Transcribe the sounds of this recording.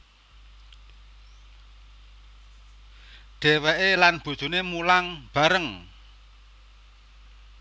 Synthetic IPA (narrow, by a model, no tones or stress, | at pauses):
ɖ̥e̤weʔelanb̥ṳd̥ʒ̥ṳnemulaŋb̥a̤ɾəŋ